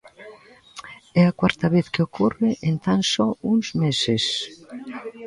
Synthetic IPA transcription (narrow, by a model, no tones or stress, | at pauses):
ɛakwaɾt̪ɐβeθkɪokʰorɪʔent̪aŋsɔuŋzmesɪs